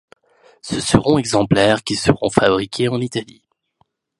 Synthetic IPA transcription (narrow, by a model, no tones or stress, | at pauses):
səsəʁɔ̃ɛɡzɑ̃plɛʁkʲisəʁɔ̰̃fabʁikʰʲeɑ̃nit̪ali